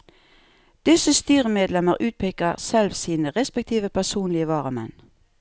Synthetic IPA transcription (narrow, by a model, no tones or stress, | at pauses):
d̪̥ɪsəst̪yːʁəmeːd̪lɛməʁʔʉːt̪̚pʰekɑʁsɛlʋsiːnəʁɛspɛk̚t̪ʰiːʋəpʰæʁsuːnlɪəʋɑːʁəmɛ̰n